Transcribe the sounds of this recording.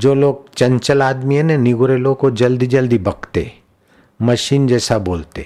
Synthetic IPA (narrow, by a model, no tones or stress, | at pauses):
d͡ʒoːloːɡ̚t͡ʃɐɲt͡ʃəlaːd̪mienẽnɪɡʊɾeːlõkod͡ʒɐld̪id͡ʒɐld̪ibɐkʰt̪ḛ | mɐʃiːnd͡ʒɛːsaboːlt̪ḛ